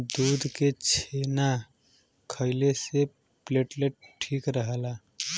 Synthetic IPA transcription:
d̪ud̪ket͡ʃʰena | kʰəɪlese | pleʈleʈ̚ʈʰikɾəɦəla

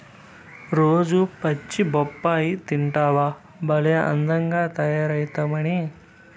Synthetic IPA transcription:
ɾoːd͡ʒupɐt͡ʃːibɔpːaːjit̪iɳʈaːʋa | bɐlɐjɐʔɐ̰nd̪ɐŋɡaːt̪ɐjaːɾɐjt̪ɐmɐɽi

